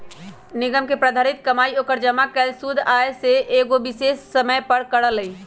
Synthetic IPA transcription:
niɡəmkepɾəd̪ʱaɾit̪kəmaiokəɾd͡ʒəmakɛlsud̪ʱaeseʔeɡobisesːəməjpəɾkəɽələi

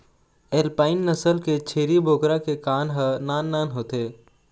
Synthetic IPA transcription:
eːlpaːɪnːəsəlket͡ʃʰeːɾibʱoːkɾakekaːnɦənaːnːaːnɦoːt̪eː

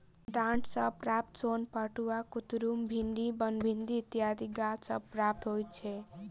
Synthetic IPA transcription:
ɖãɳʈʰsʌpɾap̚t̪sonpʌʈuakut̪ɾumbʱind̪ibʌnbʱind̪it̪jad̪iɡasʌ̰pɾap̚t̪ɦojt͡ʃʰe

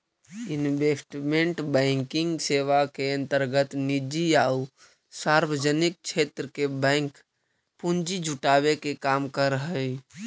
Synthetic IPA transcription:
ɪnʋeːsʈmẽɳʈbɛ̃ːŋkɪ̃ŋɡseːʋakeə̃nt̪əɾɡət̪nɪd͡ʒijaːu | saːɾwəd͡ʒənɪk̚ʃʰeːt̪ɾəkebɛ̃ːŋk | pʊnd͡ʒid͡ʒʱʊʈaːʋekekaːmkəɾɦəi

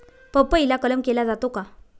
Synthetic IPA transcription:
pəpəilakələmkelad͡zat̪oka

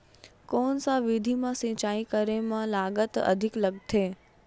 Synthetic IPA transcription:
koːnsãʋɪd̪ʱimãsĩːt͡ʃaːĩkəɾemãlaːɡət̪ɐ̰d̪ʱɪkləɡ̚t̪ʰeː

